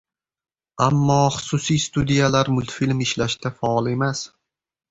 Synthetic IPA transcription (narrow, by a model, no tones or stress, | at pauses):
amːɒχʊ̥sʊsijst̪ud̪ijalaɾmʊlˠt̪filmɪʃlaʃd̪afaɒlˠe̞mas